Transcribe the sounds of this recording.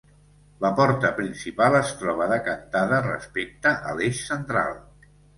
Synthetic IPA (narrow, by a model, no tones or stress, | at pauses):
ləpɔɾt̪əpɾinsipalˠəst̪ɾɔβ̞əðəkənt̪aðərə̰spek̚t̪əʔəleʃsənt̪ɾa̰lˠ